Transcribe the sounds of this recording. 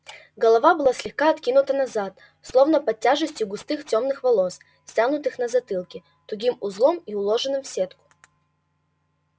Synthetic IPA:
ɡəlˠɐvabɨlˠasʲlʲɪxkaɐt̪kʲinʊt̪ənɐzat̪̚ | slˠo̞vnəpɐtʲːaʐɨsʲtʲjʊɡʊst̪ɨxtʲomnɨxvɐlˠos | sʲtʲanʊt̪ɨxnɐzɐt̪ɨlˠkʲɪ | t̪ʊɡʲimʊzlˠomiʊlˠoʐɨnɨmfsʲet̪kʊ̥

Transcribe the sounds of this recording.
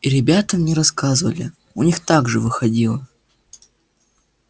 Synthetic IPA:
iɾʲɪbʲat̪əmnʲɪɾɐskazɨvəlʲɪ̰ | ʊnʲixt̪aɡʐɨvɨxɐdʲilˠə

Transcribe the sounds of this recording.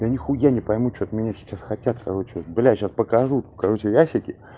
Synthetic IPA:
jʲanʲɪxujanʲɪpɐjmut͡ɕot̪mʲɪnʲasʲɪ̥t͡ɕːasxɐtʲat̪kɐɾo̞t͡ɕɪot̪blʲaɕaspəkɐʐut̪kɐɾo̞t͡ɕɪjaɕʲɪkʲɪ

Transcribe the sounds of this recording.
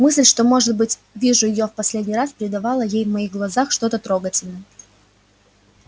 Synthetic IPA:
mɨsʲlʲʂt̪o̞mo̞ʐɨt̪̚bɨtʲ | vʲiʐʊjɪjo̞fpɐsʲlʲedʲnʲijraspʲɪɾʲɪd̪ɐvɑlˠəjejvmɐiɣɡlˠɐzaxʂt̪o̞t̪ət̪ɾo̞ɡətʲɪlʲnəjə

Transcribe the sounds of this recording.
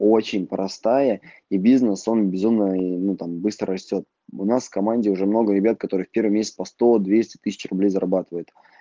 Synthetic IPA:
o̞t͡ɕɪnʲpɾɐst̪ajə | ibʲiznəso̞nbʲɪzumnənut̪ambɨst̪ɾərɐsʲtʲo̞t̪̚ | ʊnasfkɐmanʲdʲɪʊʐɛmno̞ɡəɾʲɪbʲat̪̚kɐt̪o̞ɾɨjfʲpʲe̞rvəmʲesʲt͡sʲpɐst̪o̞d̪vʲesʲtʲɪ̥t̪ɨsʲɪt͡ɕrʊblʲejzəɾɐbat̪ɨvəjɪt̪

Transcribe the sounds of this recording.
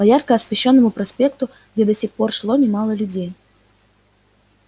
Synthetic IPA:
pɐjarkəɐsvʲɪɕːo̞nːəmʊpɾɐsʲpʲe̞kt̪ʊ | ɡdʲed̪ɐsʲɪxpo̞rʂlˠonʲɪmalˠəlʲʊdʲej

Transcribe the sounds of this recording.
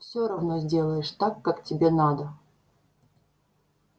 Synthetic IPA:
fsʲoɾɐvnozʲdʲe̞lˠəjɪʂt̪akːaktʲɪbʲenad̪ə

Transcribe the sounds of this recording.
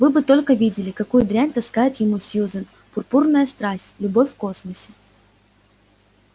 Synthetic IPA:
vɨbɨt̪o̞lʲkəvʲidʲɪlʲɪkɐkujʊd̪ɾʲænʲt̪ɐskajɪt̪jɪmusʲjuzən | pʊrpurnəjəst̪ɾasʲtʲlʲʊbo̞fʲfko̞sməsʲɪ̥

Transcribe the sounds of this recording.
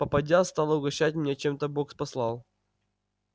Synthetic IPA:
pəpɐdʲast̪ɑlˠəʊɡɐɕːatʲmnʲet͡ɕe̞mt̪əbokspɐslˠɑlˠ

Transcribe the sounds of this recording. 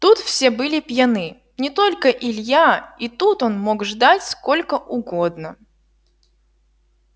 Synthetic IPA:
t̪ut̪fsʲebɨlʲɪpjanɨ | nʲɪt̪o̞lʲkəʔɪlʲjait̪ut̪o̞nmo̞ɡʐd̪atʲsko̞lʲkəʔʊɡod̪nə

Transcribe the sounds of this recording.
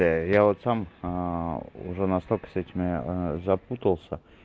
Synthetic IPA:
ejavot̪sam | ʊ̰ʐɛnɐst̪olʲkə̥sɛtʲɪmʲɪzɐput̪əlˠsʲə

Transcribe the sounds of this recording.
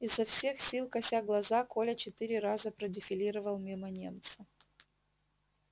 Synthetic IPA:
ɪzːɐfsʲexsʲilˠkɐsʲaɡlˠɐzako̞lʲət͡ɕɪt̪ɨɾʲɪɾazəpɾədʲɪfʲɪlʲiɾəvəlˠmʲimənʲe̞̰mt̪sə

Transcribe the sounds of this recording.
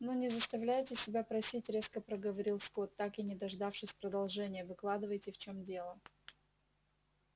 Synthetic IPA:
nunʲɪzəst̪ɐvlʲæjɪtʲɪsʲɪbʲapɾɐsʲitʲɾʲe̞skəpɾəɡəvɐɾʲilˠsko̞t̪ːakɪnʲɪd̪ɐʐd̪afʂɨsʲpɾəd̪ɐlˠʐɛnʲɪjəvɨklˠad̪ɨvəjtʲɪft͡ɕomdʲe̞lˠə

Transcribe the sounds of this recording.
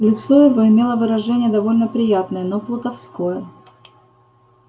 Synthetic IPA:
lʲɪt̪so̞ɪvoɪmʲe̞lˠəvɨɾɐʐɛnʲɪjəd̪ɐvo̞lʲnəpɾʲɪjat̪nəjənoplˠət̪ɐfsko̞jə

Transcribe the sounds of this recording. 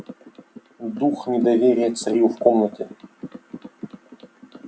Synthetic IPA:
d̪uxnʲɪd̪ɐvʲeɾʲɪjət̪sɐɾʲjufkomnətʲɪ

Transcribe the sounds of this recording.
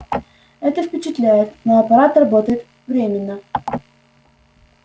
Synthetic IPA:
ɛt̪əfpʲɪt͡ɕɪt̪lʲæjɪt̪noɐpɐɾat̪rɐbo̞t̪əjɪt̪ | vɾʲemʲɪnːə

